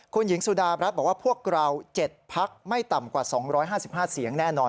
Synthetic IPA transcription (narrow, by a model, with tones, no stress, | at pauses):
kʰu˧nji˩˦ŋsuː˧˩daː˧ɾa˦˥t̪̚bɔː˨˩waː˥˩pʰu˥˩ək̚ɾa˧wt͡ɕe˨˩t̪̚pʰa˦˥k̚ma˥˩jt̪a˨˩mkwaː˨˩sɔː˩˦ŋɾɔː˦˥jɦaː˥˩si˨˩p̚haː˥˩si˨˩˦əŋnɛː˥˩nɔː˧n